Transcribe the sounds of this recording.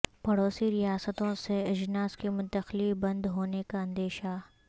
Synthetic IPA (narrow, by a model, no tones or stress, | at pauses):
pɐɽoːsiɾijaːsət̪õseɪd͡ʒnaːskimʊ̃nt̪əxlibɐ̃nd̪ɦoːnekaɐ̃nd̪eːʃa